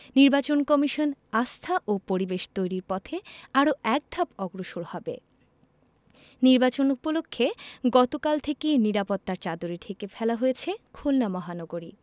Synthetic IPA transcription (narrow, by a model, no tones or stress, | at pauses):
niɾbat͡ɕonkɔmiʃonast̪ʰaʔopoɾibeʃt̪ojɾiɾpɔt̪ʰeaɾoɛk̚d̪ʱapɔɡɾoʃoɾhɔbḛ | niɾbat͡ɕonupolokʰːeɡɔt̪okalt̪ʰekeniɾapot̪ːaɾt͡ɕad̪oɾiʈ̪ʰekefʰɛlaɦojet͡ɕʰekʰulnamɔɦanɔɡoɾi